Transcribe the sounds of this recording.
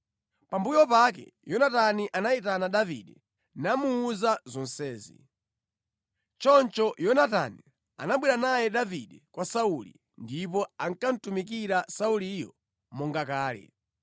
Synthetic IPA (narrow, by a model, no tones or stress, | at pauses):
pambujɔpak̬ɛ̰jɔnataniʔanait̬anaɗavḭɗɛ | namuːzazɔn̩sɛːzḭ | t͡ʃɔnt͡ʃɔjɔnata̰ni | a̰naɓwiɾanajɛɗaviɗɛkwasaulḭ | ndipɔaŋ̩kan̩tumik̬iɾasauliːjɔ | mɔŋɡakaːlɛ̰